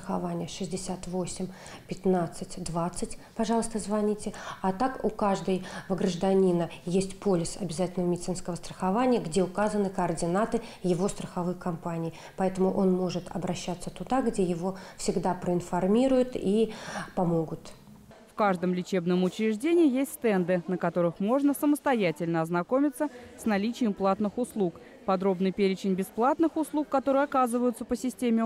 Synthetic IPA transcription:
st̪əxɐvanʲɪjəʂɨzʲdʲɪsʲat̪vo̞sʲɪmʲ | pʲɪt̪nat̪sɨtʲd̪vat̪sːɨtʲpɐʐɑlˠəst̪əzvɐnʲitʲɪat̪akʊkaʐd̪əjvɡɾəʐd̪ɐnʲinəjesʲtʲpolʲɪsɐ̰bʲɪzatʲɪlnəvəmʲɪdʲɪt̪ɨnskəvəst̪ɾəxɐvanʲɪjəɡdʲeʊkazənɨkəɐrdʲɪnat̪ɨjɪvo̞st̪ɾəxɐvɨjkɐmpanʲɪː | pɐɛt̪əmʊʔo̞nmo̞ʐɨt̪ʰɐ̰bɾɐɕːat̪sət̪ʊd̪aɡdʲejɪvo̞fsʲɪɡd̪apɾəɪnfɐrmʲiɾʊjʊt̪ipɐmo̞ɡʊt̪ | fkaʐd̪əmlʲɪt͡ɕe̞bnəmʊt͡ɕɾʲɪʐdʲenʲɪːjesʲtʲst̪ɛnd̪ɨnəkɐt̪o̞ɾɨxmo̞ʐnəsəməst̪ɐjætʲɪlʲnəɐznɐko̞mʲɪt̪səsnɐlʲit͡ɕɪjəmplˠat̪nɨxʊslˠuk | pɐd̪ɾo̞bnɨjpʲeɾʲɪt͡ɕɪnʲbʲɪsplˠat̪nɨxʊslˠukːɐt̪o̞ɾɨjɐkazɨvəjʊt̪səpəsʲɪsʲtʲemʲɪ

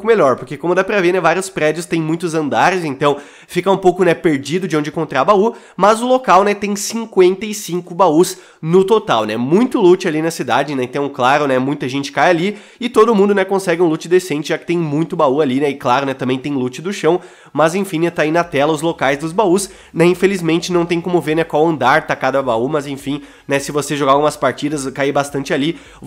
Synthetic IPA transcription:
kʊmeʎɔɾpoɾkekõmʊd̪apɾɐveɾnɛvaɾiʊspɾɛd͡ʒjʊst̪ẽj̃mũj̃t̪ʊzɐ̃nd̪aɾɪzẽnt̪ɐ̃w̃ | fikɐũpowkʊnɛpeɾd͡ʒid̪ʊd͡ʒɪõd͡ʒɪkõnt̪ɾabau | mɐzʊlokawnɛt̪ẽj̃sĩŋkwẽnt̪ɐɪsĩŋkʊbaus | nʊt̪ot̪awnɛmũj̃t̪ʊlut͡ʃɪalinɐsid̪ad͡ʒɪ̃nɛẽt̪ɐ̃w̃klaɾʊnɛmũj̃t̪ɐʒẽnt͡ʃɪ̥kajali | ɪt̪od̪ʊmũd̪ʊnɛkõsɛɡɪũlut͡ʃɪd̪esẽnt͡ʃɪʒakɪ̥t̪ẽj̃mũj̃t̪ʊbaualinɛɪklaɾʊnɛt̪ɐ̃mbẽj̃t̪ẽj̃lut͡ʃɪd̪ʊʃɐ̃w̃ | mɐzẽfĩnɛt̪ainɐt̪ɛlɐʊzlokajzd̪ʊzbaus | nɛĩfelizmẽnt͡ʃɪnɐ̃w̃t̪ẽj̃kõmʊveɾnɛkwawɐ̃nd̪aɾt̪akad̪ɐbaumɐzẽfĩ | nɛsɪvoseʒoɡaɡũmɐspaɾt͡ʃid̪ɐskaibast̪ɐ̃nt͡ʃɪali

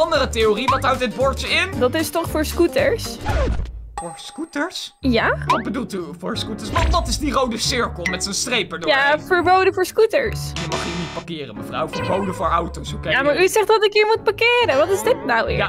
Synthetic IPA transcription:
ɑndəɾətejoriʋɑtɦawtdɪd̚bʊɹtəɪndɑtɪstɔχfʊːɹskutəɹsafʊːɹskutəɹsjaʋɔd̚bədulˠtyfʊːɹskutəɹsʋɑdɑtɪzdirowdəsɪɹkəl̩ˠmɛtsənstrejpəɹdjavəɹbowdəvʊːɹskutəɹsjəmɑχiːnit̚pɑkɪːrənməvrɔwvəɹbowdəvʊːɹawtowsokejamaːɹyzɛχtdɑtɪkjəɹmut̚pakɪːɾənʋɑtɪzdɪtnawɪ̰

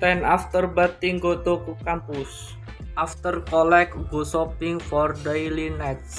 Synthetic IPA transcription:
t̪ɛnaft̪ərbat̪iŋɡot̪okukampus | ʔaft̪ərkɔlɛkɡusɔpɪŋfɔrdejlinɛt̪s

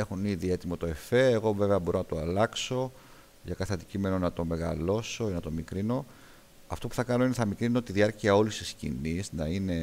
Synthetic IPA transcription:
exuniðie̞t̪imo̞t̪o̞e̞fe̞ːɣo̞ve̞veɐbo̞ɾonɐt̪oɐlɐkso̞ | ʝɐkɐθeɐnd̪icime̞no̞nɐt̪o̞me̞ɣɐ̰lo̞so̞nɐt̪o̞mikɾino̞ | ɐft̪o̞pu̥θɐkɐno̞ineθɐmikɾinoot̪iðiɐɾciɐo̞list̪iscḭniznɐine̞

